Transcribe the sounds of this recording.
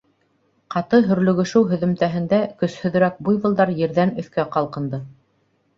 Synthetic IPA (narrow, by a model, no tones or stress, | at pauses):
qɑt̪ɤɦɵ̆ɾlɵ̆ɡɵ̆ʃɘwɦɵ̆ðɵ̆mt̪æɦɘ̆nd̪ækɵ̆shɵ̆ðɘ̆ɾæk̚bujβɤ̆lˠd̪ɑɾjɘ̆ɾðænɵ̆θkæqɑlˠqɤ̆nd̪ɤ